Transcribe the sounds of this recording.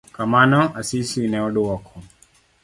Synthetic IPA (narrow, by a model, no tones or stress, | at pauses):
kamanɔasisuinɛɔɗɔwɔkʰɔ